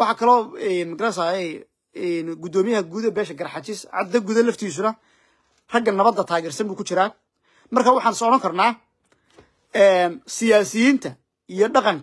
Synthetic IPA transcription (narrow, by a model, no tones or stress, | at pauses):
wɑħɑkʰɐlɔːɛnmɪɡɾasaɛj | ɛnɡʊd̪ɔːmɪjɐɦɐɡuːðɛbɛːʃɐɡɐɾɑħɑt͡ʃɪsʕɑ̰d̪ɐɡuːðɐlɐft̪ʰiːs̬ʊnɐ | r̥ɐɡɐnɐβɐd̪ːɐt̪ʰaːɣɛːrsɐmbuːkʰʊt͡ʃɪɾaː | mɐrkʰaːwɑħɑːnsɔɽɐŋkʰɐrnaː | ɛːnsɪjaːsɪjiːnt̪ʰɐ | ijɔɖɑqɑŋ